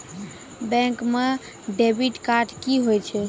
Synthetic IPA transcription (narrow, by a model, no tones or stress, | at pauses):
bɛ̃ŋkme | ɖebiʈkaɾʈkiɦojt͡ʃʰɛ